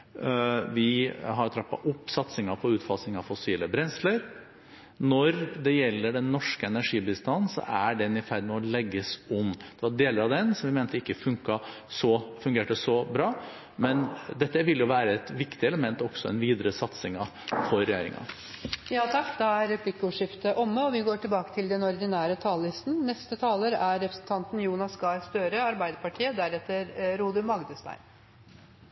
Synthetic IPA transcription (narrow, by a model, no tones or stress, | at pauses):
ʋɪɦɑɾjt̪ʰɾɑpːɑ̰ʔʊpːsɑt̪sɪŋɑpʰɔʉːt̪fɑsnɪŋɑʋfɔsiːləbɾɛnsləɾ | nɔɾd̪ɛjɛlːəɖɛnːɔʂkəɛnæʂiːbəst̪ɑnːsɔ̰ʔæɖɛnɪfæɾd̪mɛɔlɛɡːəsʊmd̪̥ɛʋɑɾɖeːləɾɑʋd̪ɛnsɔmʋɪmɛːnt̪əɪkːəfʉŋkɑ | sɔfʉŋɡeːʈəsɔbɾɑː | mɛnd̪ɛt̪ːəʋɪlːjʊʋæːɾəɛt̪ʋɪkt̪ɪɛləmɛnt̪ɔɡ̥sɔɛ̰nʋiːd̪əɾəsɑt̪sɪŋɑ | fɔɾɾːɛjeːɾɪ̰ŋɑ̰ | jɑːt̪ʰɑkːd̪ɑæɾɛpʰlɪkːəʊːʂɪft̪əʔɔmːəɔʋɪɡoːʈʰɪlbɑːkət̪ʰɪld̪ɛnɔɾd̪ɪnæːɾət̪ʰɑːllɪst̪nnɛst̪ət̪ʰɑːləɾæɾːɛpɾəsnt̪ʰɑnt̪n̩juːnɑsɡɑːɾst̪øɾəɑɾbæɪd̪əɾpɑʈʰiːəd̪æɾɛt̪əɾɾuːd̪əmɑɡd̪əst̪æ̰ɪm